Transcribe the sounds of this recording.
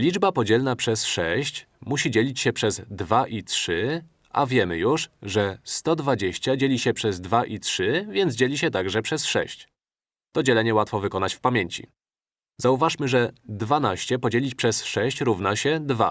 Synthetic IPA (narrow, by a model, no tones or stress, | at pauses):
lʲid͡ʐbapɔd͡ʑɛlnapʂɛsʂɛ̰ɕt͡ɕ | muɕid͡ʑelʲit͡ɕɕɛpʂɛzd̪vaʔitʂɘ | a̰vʲjɛmɘjuʂʐɛst̪ɔd̪vad͡ʑeɕt͡ɕad͡ʑelʲiɕɛpʂɛzd̪vaʔitʂɘvʲjɛnz̬d͡ʑelʲiɕ̬ɛt̪aɡʐɛpʂɛsʂɛ̰ɕt͡ɕ | t̪ɔd͡ʑɛlɛɲɛwat̪fɔvɘkɔnat͡ɕfpamʲjeɲt͡ɕḭ | zauvaʂmɘʐɛd̪vanaɕt͡ɕɛpɔd͡ʑelʲit͡ɕpʂɛsʂɛɕt͡ɕɾuvnaɕɛd̪va̰